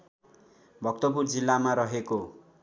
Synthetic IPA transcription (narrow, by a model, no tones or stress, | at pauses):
bʱʌk̚t̪oburd͡zilːamaɾʌɦeko